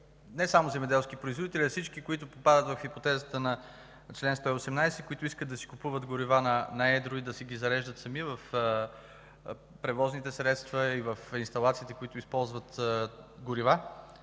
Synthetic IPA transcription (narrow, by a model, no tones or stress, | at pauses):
nɛsamozɛmɛd̪ɛlˠskipɾoizvod̪it̪ɛlʲiɐfsit͡ʃkikoit̪ʊpopad̪ət̪vɐfxipot̪ɛzət̪ənɐ | t͡ʃlɛnst̪ɔiosɛmnajsɛkʊit̪ʊiskəd̪ɐsi̥kʊpuvət̪ɡʊɾivanɐnɐɛd̪ɾʊid̪ɐsɛɡʲizɐɾɛʒd̪ət̪sɐmivəf | pɾɛvɔznit̪ɛsɾɛt̪st̪vəivəfinst̪ɐlˠat̪siːt̪ɛkʊit̪ʊispɔlˠzvət̪ɡʊɾiva